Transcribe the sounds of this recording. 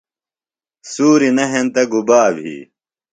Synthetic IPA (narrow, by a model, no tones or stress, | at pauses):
suːɾinɐɦent̪ɐɡubaːbʱḭː